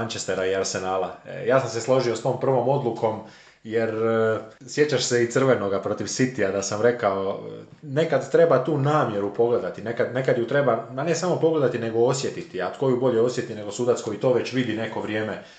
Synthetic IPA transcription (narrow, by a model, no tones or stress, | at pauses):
aɲt͡ʃest̪eɾaiaɾse̞naːlajaːsamseslˠo̞ʒiost̪o̞ːmpr̩ʋo̞mo̞d̪lˠuko̞m | je̞ɾ | sje̞t͡ɕaʃse̞it̪sr̩ʋe̞no̞ɡapɾo̞t̪iʋsit̪iad̪asamɾe̞kao̞ | ne̞kad̪t̪ɾe̞bat̪uːnaːmje̞ɾupo̞ɡled̪at̪ine̞kad̪ne̞kad̪jut̪ɾe̞bamane̞samo̞po̞ɡle̞d̪at̪ine̞ɡo̞osje̞t̪it̪iat̪ko̞jubo̞ʎeo̞sje̞t̪ine̞ɡo̞suːd̪at̪sko̞jit̪o̞ːʋe̞t͡ɕʋid̪ine̞ko̞ʋɾje̞ːme